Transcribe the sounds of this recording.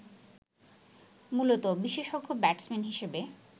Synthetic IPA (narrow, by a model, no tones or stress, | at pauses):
mulot̪obiʃeʃoɡʱːobɛʈsmenɦiʃebe